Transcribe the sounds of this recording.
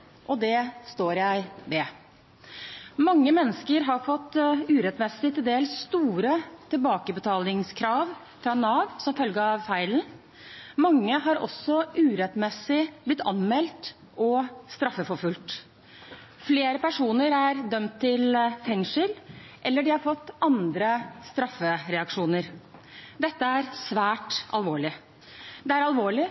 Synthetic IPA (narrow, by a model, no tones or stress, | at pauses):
ʔɔd̪ɛst̪oːɾjæɪʋɛ | mɑŋːəmɛnːəskəɾɦɑɾfɔt̪ːʉːɾɛt̪mɛsɪt̪ɪld̪eːlsst̪uːɾət̪ʰɪlbɑːkəbət̪ʰɑːlɪŋskʰɾɑːʋ | fɾɑnɑːʋsɔmfœlɡəɑʋfæɪln̩ | mɑŋːəɦɑɾɔ̰sɔʔʉːɾɛt̪mɛsɪblɪt̪ːɑ̰nmɛlt̪ | ʔɔst̪ɾɑfːəfɔɾfʉlt̪ | fleːɾəpæʂuːnəɾæɾd̪œmt̪ʰːɪlt̪ʰɛŋʂɪlʔɛlːəɖɪhɑɾfɔt̪ːɑnd̪ɾəst̪ɾɑfːəɾɛɑkʂuːnəɾd̪ɛt̪ːəæɾsʋæːʈɑ̰lʋoːɭɪ | d̪ɛæɾɑlʋoːɭɪ